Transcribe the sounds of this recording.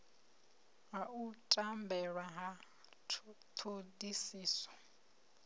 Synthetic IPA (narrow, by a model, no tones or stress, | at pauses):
ɦautʼambɛɺwaɦa | tʰodisiːsɔ̥